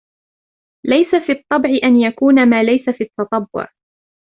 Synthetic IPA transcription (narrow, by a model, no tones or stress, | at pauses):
lajsafiːɑt̪ˤːɑbʕɪʔanjakuːnamaːlajsafiːɑt̪ːɑt̪ˤɑbːʊ̰ʕ